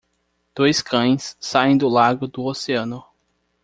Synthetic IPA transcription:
d̪̥ojskʰɐ̃j̃sːaẽj̃d̪ʊlaɡʊd̪ʊoseɐ̃nʊ

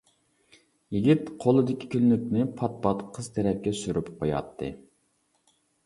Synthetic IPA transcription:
jiɡʲit̪qʰolˠɨd̪ɪkʲi̥kʲʰyllykʲnɪpʰɑt̪̚pɑt̪qʰəz̥t̪ʰɛɾɛp̚kʲɛsyɾypqʰojɑ̰t̪ʰːɨ̰

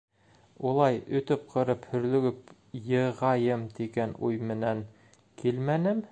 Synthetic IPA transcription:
ulˠɑjɵ̆t̪ɵp̚qʰɤ̆ɾɤphɵ̆ɾlɵ̆ɡɵp | jɤ̆ʁɑjɤmt̪iɡænujmɘ̆næŋ | kʰilmænɘm

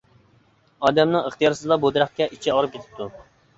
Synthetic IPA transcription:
ɑːd̪ɛmnɨŋəχt̪ijɑɾsɨzlˠɑbod̪ɾɑχkʲɛʔit͡ʃʰiɑlɾɨp̚kʲʰet̪ʰɪ̥d̪u

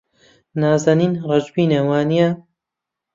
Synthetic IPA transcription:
naːzaːniːnrɛd͡ʒbiːnɐwaːnija

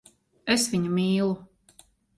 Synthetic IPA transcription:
esviɲumiːlˠu

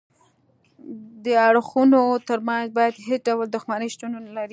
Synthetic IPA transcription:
d̪əaɽxunot̪əɾmɑnzbɑjad̪ɦesɖawld̪ʊxmanəʃt̪unonalaɾi

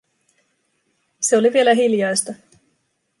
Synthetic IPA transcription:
se̞o̞liʋie̞læɦiljɑjst̪ɑ

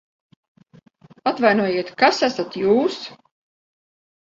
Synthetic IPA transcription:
at̪vajnuɔjeɛt̪kasæsat̪juːs

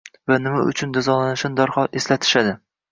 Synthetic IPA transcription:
vanɪmaʊ̰t͡ʃʰʊnd̪ɪzɒlanɪʃɪnd̪ɒɾχɒʔeslat̪ʰɪ̥ʃad̪ɪ

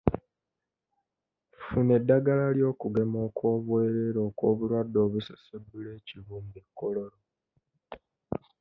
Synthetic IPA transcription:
fune̞dːaɡalaljo̞ːkuɡe̞mo̞ːkwo̞ːβweːɾe̞ɾo̞ːko̞ːβulwadːo̞ːβusese̞bule̞ːciβuːmbekːo̞lo̞ɾo

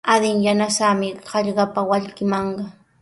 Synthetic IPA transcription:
ad̪ɪŋjanasamɪɢɑʎɢɑpawaʎkɪmɑɴɢɑ

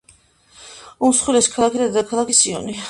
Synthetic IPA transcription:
umsχwilɛskʰalˠakʰid̪ad̪akʰalˠakisiɔ̰ni

